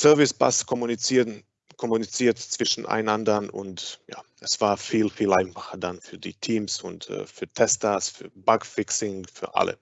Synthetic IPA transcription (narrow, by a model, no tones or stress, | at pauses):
sœɐvɪsb̥a̰skʰɔmunit͡si | kʰɔmunit͡siːɐtt͡sv̥ɪʃn̩ʔa̰ɪnandɐnʊ̰ntja̰ːʔɛsv̥aːɐfiːlfiːlaɪnfḁχɐdanfyːɐdḭːtʰiːmsʊntɛ̰fyːɐtʰɛstasfyːɐbaɡfɪksɪŋfyːɐʔa̰lə̰